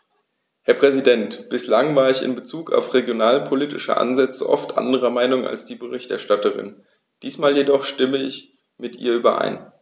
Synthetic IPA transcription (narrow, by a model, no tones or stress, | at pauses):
hɛɐpʁ̥ɛzidɛntb̥ɪslaŋvaːɐɪçɪ̰nbət͡suːka̰ʊfʁeɡjonaːlpʰoliːtɪʃə̰ʔa̰nzɛt͡səʔɔ̰ftʔa̰ndəʁ̞ɐmaɪnʊŋa̰lsd̥iːbəʁɪçtɛ̰ɐʃtatəʁ̞ɪ̰n | d̥iːsmaːljedɔχʃtɪməɪç | mɪtʔḭːɐʔyːbɐʔa̰ɪn